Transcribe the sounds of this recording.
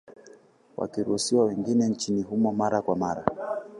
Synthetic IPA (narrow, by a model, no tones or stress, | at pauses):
wʔa̰kiɾusiwawɛŋɡinɛn̩t͡ʃiniɦumɔmaɾakwamaɾa̰